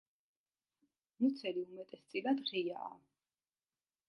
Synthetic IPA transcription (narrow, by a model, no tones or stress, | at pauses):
mut̪sʰɛliumɛt̪ʼɛst̪sʼilad̪ʁija̰ː